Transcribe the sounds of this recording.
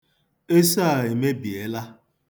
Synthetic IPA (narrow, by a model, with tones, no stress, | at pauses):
e˦sa˦a˨e˨me˦bi˨e˦la˦